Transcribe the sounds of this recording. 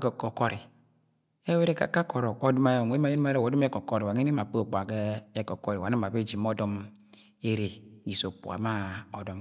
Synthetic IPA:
ɡɔ˨kɔ˨kɔ˦ɾi˨ | e˦we˦ɾe˦ka̰˨ka˦kɔ˨ɾɔ˨ko˦dɔ˦ma˦jɔ˨ŋ˨e˦ma˦je˦n˦a˦ɾe˦˨o˨dɔ˦m˦e˦kɔ˨ko˦ɾi˨wa˨e˦ni˦ma˨pk͡pa˨ɡe˦e˦kɔ˨kɔ˦ɾi˨wa˨na˦ma˨be˦d͡ʒi˨m˦ɔ˦dɔ˦m | e˦ɾe˨ɡi˨so˨pṵ˨a̰˨ma˦ɔ˨dɔ˦m

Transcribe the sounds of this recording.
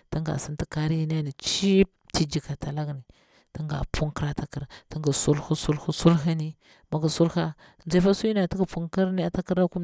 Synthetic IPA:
ti˦ŋɡa̰˨si˦nti˦ka˦ɾi˦ji˦na˦ni˨t͡ʃi˦ | ti˦d͡ʒi˨ka˨ta˨la˦ɡni˨ | ti˦ŋɡa̰˨pu˦ŋki˦ɾa˨ta˨ki˦˨ɾti˦ŋɡa˨su˦lhu˦su˦lhu˦su˦lɦa˦ni˦ | ma˨ɡa˨su˦lha˦˨ | nza˦fa˦su˦i˦na˨ti˦ɡa˨pu˦ŋki˦ɾni˦a˨ta˦ki˦ɾa˦ku˦

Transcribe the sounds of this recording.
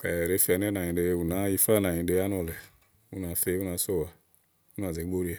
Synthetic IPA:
ka˨ɾe˦fi˦a˨n˦e˦na˨ɲĩ˨de˨˦u˨na˨˦i˦fa˦na˨ɲĩ˨de˦a˦n˦o˨le˨ | u˦na˨˦fe˦u˦na˨˦so˦˨wa˨ | u˦na˨ze˨˦ɡ͡bo˦ɾi˦a˨

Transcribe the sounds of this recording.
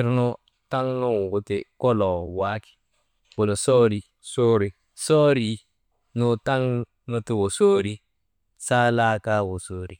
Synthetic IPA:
ɾnʊ˦ | ta˦ŋnu˦ŋ˨wʊ˦tɪ˨kɔ˦lɔ˨wa˦ki̥˨ | wʊ˨lo˨so˦ɾi˨ | so˦ɾi˨ | sɔ˦ɾi˦ | nʊ˦ta˦ŋ | nʊ˦tɪ˦wo˨soː˦ɾi˦ | sa˦la˦ka˦wo˨so˦ɾi˨

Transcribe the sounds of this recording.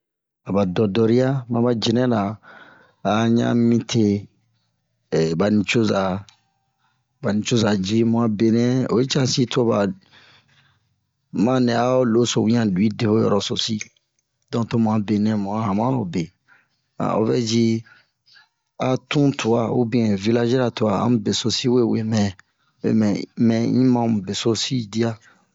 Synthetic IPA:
a˨ba˨dɔ˨dɔ˨ɾi˦a˦mã˨˦ba˦d͡ʒi˨nɛ̃˦laː˨˦ | ɲã̰˦mĩ˦tʰe˧˨ | ba˨nĩ˨t͡ʃo˦za˨ | ba˨nĩ˨t͡ʃo˦za˨d͡ʒi˦mũ˨a˨be˨nɛ̃˦o̰˨e˦t͡ʃa˦si˦to˦ba˨ | mã˦nɛ̃˨a˦o˦lo˦so˨wĩ˦ã˨du˨i˦de˨ho˦jɔ̰˨ɾɔ˨so˨si˦ | dɔ̃˦˨to˦mũ˨ã˨˦be˨nɛ̃˦mũ˨a˦ɦã˨mã˦lo˨be˨ | a̰˨o̰˨˦vɛ˦d͡ʒi˦ | a˦tũ˦tʰu˨a˨o̰˦bĩ˦ɛ̃˨vi˦la˦ʒɛ˦ɾa˨tu˨a˨ã̰˦mũ˦be˨so˦si˦we˦˨we˨mɛ̃˨ | wḛ˨mɛ̃˨mɛ̃˨ĩ˦mã˦mu˨be˨so˦si˦di˦a˦

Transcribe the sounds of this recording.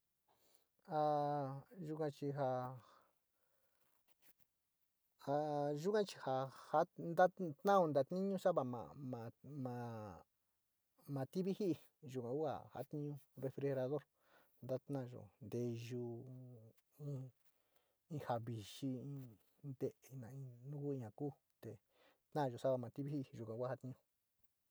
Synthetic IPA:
a˧ | ʒu˧kã˧t͡ʃi˧ɦa˧ | a˧ʒu˦kã˦t͡ʃi̥˧ha˧ha˦nd̪a˦t̪nã˦õ˧nd̪a˨˧t̪nĩ˦ɲũ˦sa˦βa˨mã̰˨mã˨mã˨˧ | mã˨˧t̪i˦βi˦hi˦ʔi˧ | ʒu˧˨kã˨ku˦a̰˨ha̰˦t̪ĩ˦ɲũ˧re˧fɾi˧he˧ɾa˧ðo˦ɾ | nd̪a˦t̪nã˦˨˧ʒo̰˨nd̪e˧ʒu˧ | ĩ˧ | ĩ˧ha˨βi˨ʃi˧ĩ˧ | nd̪e˦ʔi˧nã˨ĩ˧nũ˦ku˦ĩ˧ɲã˨ku˦ | t̪e˨ | t̪nã˦˨ʒo˨sa˦βa˧˨mã˨t̪i˦βi˦i˦ʔi˧˨ʒu˨kʷã˨kʷa˦ha˦t̪ĩ˧ɲũ˧

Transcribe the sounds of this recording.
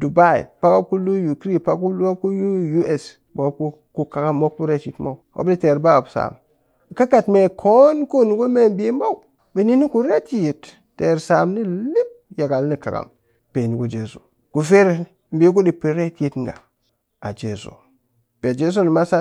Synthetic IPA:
du˨ba˦˨ḭ˨pa˦ka˦ku˦lu˦ju˨kɾi˦pa˦ku˦la˦ku˦ju˦ju˦e˨s | bo˦ku˦ | ku˦ka˨ɡa˦mːo˦ku˦ɾe˦ti˨tmo˦o̰˦bi˦te˨ɾba˦a˨bsa̰˨m˨ | ka˦ka˨tme˨kʰo˦nku˦ni˨ɡo˦me˦m˦be˦ma˦u˨ | be˨ni˦ni˦ku˨ɾe˦ti˦ji˨tː | e˨ɾsa˨mni˦li˦p̚ja˨ɡa˨lni˦ka˨ɡa̰˨m | pe˨ni˨ku˦d͡ʒe˨zo̰˨ | ku˨fe˦ɾ | m˨bi˦k̬u˦di˨pːi˨ɾe˦tji˦tŋɡa̰˨ | a̰˨d͡ʒḛ˨so̰˨ | pe˨d͡ʒe˦s̬o˦ni˨ma˦sa˦

